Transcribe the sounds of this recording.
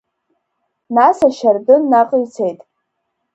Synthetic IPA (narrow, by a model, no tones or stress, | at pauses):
nasaʃardɨnːaqʼɥt͡sʰe̞jtʼ